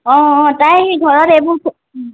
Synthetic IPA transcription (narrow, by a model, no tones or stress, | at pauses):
ɔ̃tajɡʱɔɹɔtebʊɹkʰ